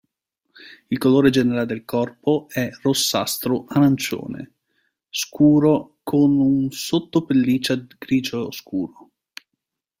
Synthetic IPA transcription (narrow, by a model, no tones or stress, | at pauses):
ilkoloːɾed͡ʒeneɾald̪elkɔrpoɛrosːast̪ɾoʔanant͡ʃo̰ːnḛ | skʰuːɾokʰonunsot̪ːopelːiːt͡ʃadɡ̥ɾiːd͡ʒoːskuːɾo